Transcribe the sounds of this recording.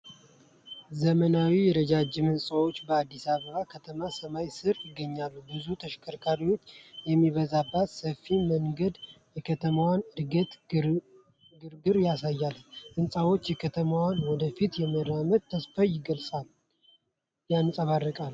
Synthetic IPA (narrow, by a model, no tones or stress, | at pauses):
zəmənawijɛɾəd͡ʒad͡ʒɪmɨnsʼawo̞t͡ʃːbəad̪ːisaβəβakʰət̪ʰəmasəmajsɨɾjɪɡːəɲːalːubɨzut̪ʰəʃkʰəɾkʰaɾiwo̞t͡ʃːjɛmːiβəzabːat̪səfːiməŋɡəd̪jɛkʰət̪ʰəmawanɨɾɡət̪ | ɡɨɾɡɨɾjasajːalʔɨnsʼawo̞t͡ʃːjɛkʰət̪ʰəmawanwɔd̪əfit̪jɛməɾaməd̪̚t̪ʰːəsfajɪɡəlsʼal | janɨsʼəβarːəkʼal